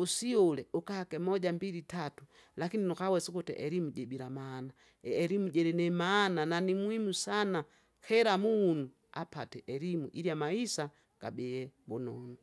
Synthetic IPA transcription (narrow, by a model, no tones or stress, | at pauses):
usiɔlɛʔukahakɛmɔɟambiɾitatu | lakininukawɛsukutɛ̰ʔɛɾimuɟɛbiɾamaːna | ɛɾimuɟɛɾɛnɛmaːnananimwimusana | kɛɾamuːnu | apatɛʔɛɾimuʔiɾjamaisa | ɡ̥a̰bɛɛbɔnɔnu